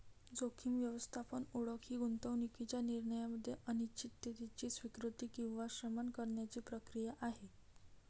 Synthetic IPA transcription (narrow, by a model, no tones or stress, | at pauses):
d͡zokʰiːmʋjəʋəst̪ʰapənuɽəkɦiːɡunt̪əʋnikit͡ɕjaniɾɳəjaməd̪ʱːjeʔəñit͡ɕit̪ːet̪it͡ɕiːsʋikɾut̪iːkĩw̃ʋaɕɾəmankəɾɳjat͡ɕiːpɾəkɾijaʔaɦe